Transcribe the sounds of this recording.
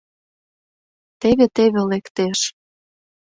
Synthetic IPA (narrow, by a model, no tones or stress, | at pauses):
t̪eβet̪eβelekt̪eʃ